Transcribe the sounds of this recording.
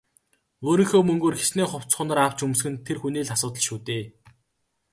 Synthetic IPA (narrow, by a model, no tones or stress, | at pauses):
oːɾĭŋxoːmɵŋɡoːrxesneːχʊw̥t͡sχʊ̆ːnə̆rɾaw̥t͡ɕɵmsxɘ̆nt̪ʰerxuneːɮasʊːt̪̬ə̆ɮʃuːt̪eː